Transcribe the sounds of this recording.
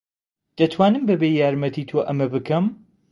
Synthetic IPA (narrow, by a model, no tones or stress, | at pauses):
d̪̥ɐt̪ʰwaːnɨmbɐbejaːɾmɐt̪ʰit̪ʰoʔɐmɐbɨkʰɐm